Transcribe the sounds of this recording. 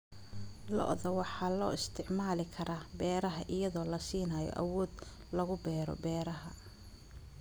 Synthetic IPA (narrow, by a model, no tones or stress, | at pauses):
lɔ̰ʔðɐwɑħɑːlɔ̰ːɪst̪ʰɪʕmaːlɪkʰɐɾaːbɛːɾɐɦɐʔɪjɐðɔːlɐsiːnaːjɔ̰ʔɐ̰wɔːd̪ | lɐɣʊbɛːɾɔ̰bɛːɾɐɦɐ